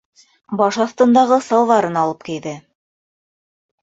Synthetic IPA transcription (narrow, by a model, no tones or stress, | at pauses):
bɑʃɑθt̪ɤ̆nd̪ɑʁɤsɑlˠvɑɾɤnɑlˠɤp̚kijðɘ